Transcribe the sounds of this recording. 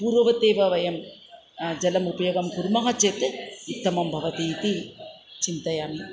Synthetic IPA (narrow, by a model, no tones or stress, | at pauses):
puːɾʋɐʋɐt̪eːʋɐʋɐjɐm | d͡ʒɐlɐmupɐjoɡɐmkuɾmɐɦɐt͡ʃeːt̪ɨut̪ːɐmɐmbʱɐʋɐt̪iːt̪i | t͡ʃint̪ɐjaːmi